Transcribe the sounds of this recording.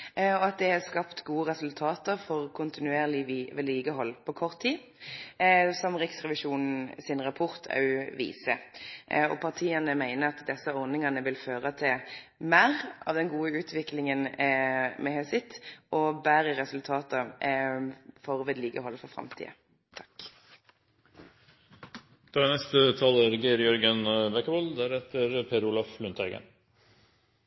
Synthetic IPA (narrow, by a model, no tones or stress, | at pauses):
ɔɑt̪̚d̪ɛhɑskɑpt̪ɡuːəʁɛsʉlt̪ʰɑːt̪əɾfɔʁkʰʊnt̪ɪnʉeːʁlɪʋɛd̪liːɡəɦɔlːpʰɔkʰɔʁt̪ʰːiː | sɔmʁɪksʁɛʋɪʃuːnn̩sɪnʁɑpʰʊʁt̪ʰɑ̰ʉʋḭːsə | ɔ̰pʰɑʁt̪ʰiːɑnəmæɪnəɾɑt̪d̪ɛsəɔʁnɪŋɑnəʋɪlføːʁət̪ʰɪl | mæːʁʔɑ̰ːʋd̪ɛnɡuːəʉːt̪ʰʋɪklɪŋən | mɛhœsɪt̪ːʔɔbæːɾəʁɛsʉlt̪ʰɑːt̪ə | fɔʁəʋɛd̪liːkəɦɔlːəfɔfʁɑ̰mt̪ʰḭːə̰ | t̪ʰɑ̥k | d̪̥ɑːnɛst̪ət̪ʰɑːlæɾɡiɾjœɾɡənbɛkəʋɔld̪æɾhɛt̪əɾpʰeːɾuːlɑflʉnt̪ʰæɡə̰n